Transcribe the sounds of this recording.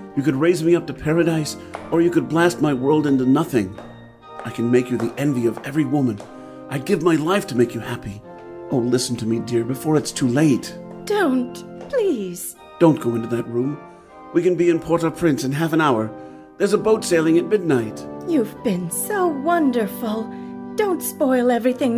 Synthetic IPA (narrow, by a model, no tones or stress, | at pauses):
jɨkɨd̚ɹeɪzmiʌp̚tɨpʰɛɹɨɾaɪs | ə˞jɨkɨd̚blæst̚maɪwɜ˞lˠdɪ̃ntʉnʌθɪ̃ŋ | ʔaɪkʰɨ̃n̩meɪkjɨðiʔɛ̃nviʌvɛvɹiwʊmɨ̃n | ʔaɪɡɪvmaɪlaɪftʰɨmeɪkjɨhæpi | ʔoʊlɪsn̩tʰɨmidɪɹbɨfɔɹɨtstʰuleɪtd̥õʊ̃ntpʰl̥iz̥ | d̥õʊ̃nɡ̥oʊɪ̃ntɨðɨt̚ɹũm | wikɨ̃nbiɨ̃npʰɔɹɾʌv̥pʰɹ̥ɪ̃nsɨ̃nɦæfə̃naʊə˞ | ðə˞zəboʊtseɪlˠɪ̃ŋɨt̚mɪdⁿnaɪt̚jʉvbɪ̃nsoʊwʌ̃ndə˞fl̩ˠ | d̥õʊ̃ntspɔɪlˠɛvɹiθɪ̃ŋ